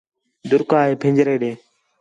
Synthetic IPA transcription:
d̪ʊɾkaːɦeːpʰɪ̃ːɲd͡ʒɾeːɗeː

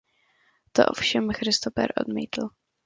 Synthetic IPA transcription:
t̪o̰ʔo̰fʃɛmxɾɪst̪ofɛ̰ɾʔo̞̰d̪mḭːt̪l̩

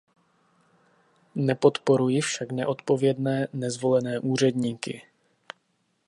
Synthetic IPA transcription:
nɛpo̞t̪po̞ɾujɪfʃaknɛ̰ʔo̞t̪po̞vjɛdnɛːnɛzvo̞lɛnɛːʔuːr̝ɛdɲiːkɪ̰

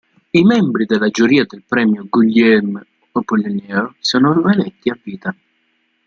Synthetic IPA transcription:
imɛmbɾid̪elːad͡ʒuɾiːad̪elpɾɛːmjoɡuʎːɛm | opolːinɛːosɔːnolmɛlɛt̪ːiavːiːt̪a

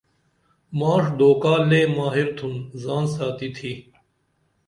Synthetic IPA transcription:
maːʂd̪oːkaːleːmaːɦiɾt̪ʰunzaːnsaːt̪it̪ʰiː

